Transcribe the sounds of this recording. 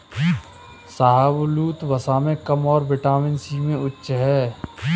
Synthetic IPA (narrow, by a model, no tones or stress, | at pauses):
saːɦəbluːt̪bɐsaːmẽkɐmɔːɾbɪʈaːmɪnsiːmẽʊtːʃɦɛː